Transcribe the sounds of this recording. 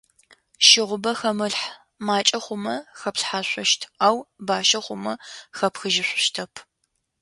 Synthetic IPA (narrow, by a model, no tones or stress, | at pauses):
ʃɪʁʷʊbɐxɐmɨɬħ | maːt͡ʃʼɐχʷʊmɐxɐpɬħaːɕʷɔʃtʰaːwbaːʃɐχʷʊmɐxɐpxɨʒɪɕʷʊʃtʰɐpʰ